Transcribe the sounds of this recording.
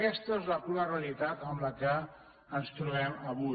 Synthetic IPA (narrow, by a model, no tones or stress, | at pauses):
kɛst̪əezlapunarealit̪at̪əmlakə | ənst̪ɾuβɛmaβu